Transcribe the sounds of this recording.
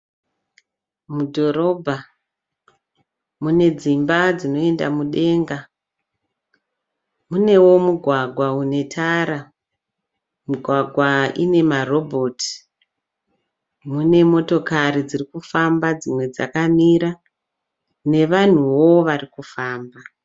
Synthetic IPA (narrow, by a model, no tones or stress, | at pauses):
mudʱo̞ɾo̞bʱa | mune̞d͡zimbad͡zino̞e̞nda̰muɗe̞ːŋɡa | mune̞wo̞muɡʱwaɡʱwaune̞tʰaːɾa | muɡʱwaɡʱwaḭne̞maro̞bʱo̞ti̥ | mune̞mo̞to̞kaɾid͡zirikufambad͡zimwe̞d͡za̰kamiɾa | ne̞ʋan̤uwo̞ʋarikufaːmba